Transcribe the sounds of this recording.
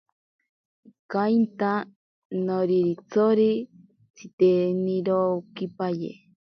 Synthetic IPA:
kajnt̪a | noɾiɾit͡sʰoɾi | t͡sʰit̪eniɾokipajḛ

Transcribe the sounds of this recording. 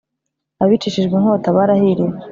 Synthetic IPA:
aβit͡ʃiʃiʒɡeŋhotaβaɾahiɾiwe

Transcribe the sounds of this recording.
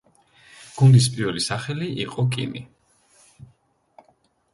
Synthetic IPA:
ɡ̥und̪is̬pʼiɾvɛlisaχɛliʔiqʼɔkʼḭmḭ

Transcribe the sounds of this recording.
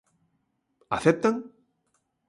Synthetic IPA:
a̰θɛp̚t̪aŋ

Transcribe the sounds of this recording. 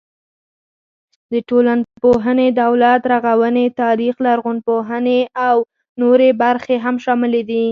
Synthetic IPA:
d̪əʈolanpoɦəned̪awlat̪ɾaɣawənet̪ɑɾixlaːɾɣʊnpoɦəneaw | noɾebaɾxeɦamʃɑmɪled̪i

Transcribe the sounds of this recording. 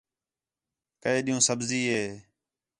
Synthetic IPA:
kəeːɗiːũːsəbziːɦeː

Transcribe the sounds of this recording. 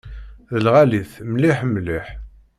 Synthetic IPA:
ðəlʁæliθmliħmliħ

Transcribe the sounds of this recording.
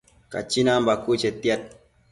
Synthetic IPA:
ka̰t͡ʃːinaːmbakːut͡ʃet̪ːiat̪̚

